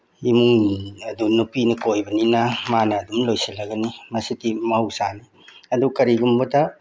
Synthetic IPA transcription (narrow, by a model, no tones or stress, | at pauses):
imuŋɐdunːupinɐkojbɐninamanɐːdumlojsilɐɡɐnimɐsitimɐhɐwsani | ɐdukɐɾiɡumbɐdɐ